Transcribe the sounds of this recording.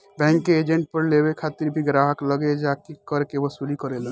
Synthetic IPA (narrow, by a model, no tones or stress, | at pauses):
bɛ̃ːŋkːeːd͡ʒẽɳʈ̚pəɾleβekʰat̪iɾbʱiɡɾaɦəkləɡed͡ʒakikəɾkeʋəsulikəɾeləɡe